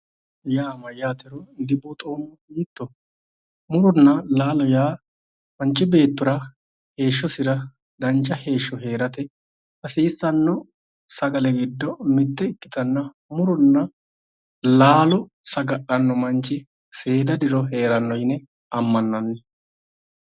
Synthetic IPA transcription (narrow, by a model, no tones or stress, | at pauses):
jaːmɐjaːt̪ɛɾɔd̪ɪbuːt̪ʼo̞ːmːɔiːt̪ːɔ | mʊɾʊnːɐlaːlɔjaː | mɐnt͡ʃːɪbe̞ːt̪ːʊɾɐ | he̞ːʃːɔsɪɾɐ | d̪ɐnt͡ʃːɐhe̞ːʃːɔɦe̞ːɾɐt̪ɛ | ʔɐsiːsːɐnːɔ | sɐɡɐlɛɡɪd̪ːɔmɪt̪ːɛɪkːɪt̪ɐnːɐ | mʊɾʊnːɐ | laːlɔsɐɡɐʔɐnːɔmɐnt͡ʃːɪ | se̞ːd̪ɐd̪ɪɾɔɦe̞ːɾɐnːɔjnɛ | ɐmːɐnːɐnːɛ